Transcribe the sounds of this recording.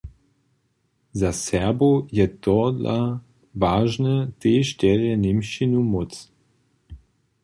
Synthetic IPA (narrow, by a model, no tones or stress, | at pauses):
zasɛɐbojɛt̪ɔdla̰ | vaːʒnət̪eʃtɛʁɛnemʃinumɔt͡s